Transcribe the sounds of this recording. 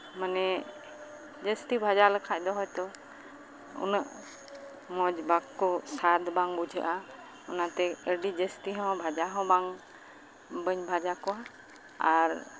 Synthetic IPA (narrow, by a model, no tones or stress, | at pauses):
manɛ | d͡ʒəst̪ibʱad͡ʒaləkʰac̚ˀd̪ɔɦɔjt̪ɔ | ṵnəʔ | mɔd͡ʒbakkːɔsad̪baŋbud͡ʒʱə̰ʔa | ɔnat̪ɛəɖid͡ʒəst̪iɦɔ̃bʱad͡ʒaɦɔ̃baŋ | bəɲbʱad͡ʒakɔwa | aɾ